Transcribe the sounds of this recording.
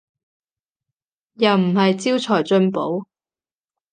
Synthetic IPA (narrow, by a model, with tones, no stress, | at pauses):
jɐ˨wm̩˨˩hɐ˨jt͡siː˥wt͡sʰɔː˨˩jt͡ʃɵ˧npo˨˥w